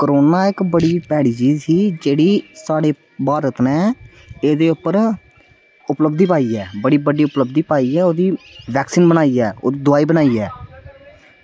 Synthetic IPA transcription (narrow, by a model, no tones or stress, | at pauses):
kəɾoːnaːɪkbəɽiːpɛːɽiːt͡ʃiːzsiːd͡ʒeːɽiːsaːɽeː | baːɾət̪nɛ̃ː | eːd̪eːʊpːəɾ | ʊpləbd̪iːpaːiːɛːbəɽiːbəɖiːʊpləbd̪iːpaːiːɛːoːd̪iːʋɛːksiːnbənaːiːɛːo̰ːd̪iːd̪ʊaːiːbənaːiːɛː